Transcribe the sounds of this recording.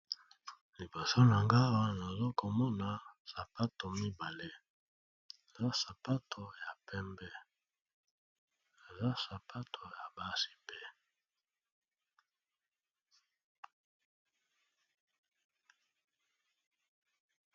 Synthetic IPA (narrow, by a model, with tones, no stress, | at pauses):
li˨bo˨so˦na˨ŋɡa˦wa˦na˨zo˦ko˨mɔ˦na˨sa˨pa˦to˨mi˦ba˨le˦ | e˨za˦sa˨pa˦tʰo˨ja˨pɛ˦mbɛ˦ | e˨za˦sa˨pʰa˦tʰo˨ja˨ba˦si̥˦pe˦